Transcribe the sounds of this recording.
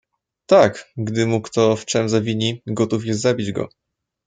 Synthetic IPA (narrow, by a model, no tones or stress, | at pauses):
t̪akɡd̪ɘmukt̪ɔft͡ʂɛmzavʲiɲiɡɔt̪ufjɛst̪zabʲid͡ʑɡɔ̰